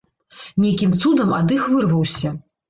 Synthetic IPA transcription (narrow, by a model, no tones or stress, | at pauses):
nʲejkʲimt̪sud̪ɐma̰d̪ɨxvɨrvɐwsʲɐ